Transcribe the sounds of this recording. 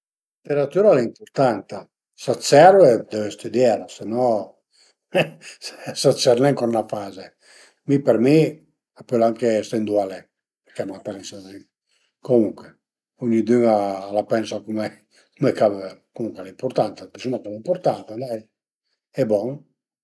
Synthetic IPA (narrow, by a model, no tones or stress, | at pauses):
lit̪eɾat̪yɾalɛimpoɾt̪ant̪a | sasɛɾvɛd̪ɛvɛst̪ud̪jɛɾasenɔ | sat͡ʃːɛɾnɛŋkɔnnafaze | mipɛɾmi | apølaŋkest̪ɛnd̪ualɛ | pɛɾkɛmat̪ɛɾinsanɛ | komuŋkwɛ | uɲid̪yŋalapɛnsakumɛ | komɛkavkomuŋkwɛlaimpoɾt̪ant̪at̪isunakamimpoɾt̪ant̪alɛj | ɛbɔŋ